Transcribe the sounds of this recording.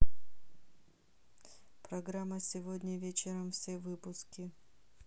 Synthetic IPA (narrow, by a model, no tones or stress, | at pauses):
pɾɐɡɾamːəsʲɪvodʲnʲəvʲet͡ɕɪɾəmfsʲevɨpʊskʲɪ